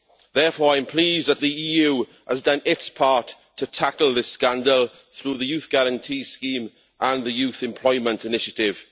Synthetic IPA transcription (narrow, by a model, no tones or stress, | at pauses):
ðɛːfɔːɹãɪ̃mpʰl̥iːzðət̪̚ðiiːjuː | əzdʌ̃nɪtspʰɑˑtʰːətʰakəlˠðɪskãndəlˠ | θɹuːðəjʉːˑθɡ̥aɹə̃ntʰiːskĩːm | ʔə̃nðəjʉˑθɪ̃mpʰl̥ɔɪmə̃ntɪnɪʃətɪv̥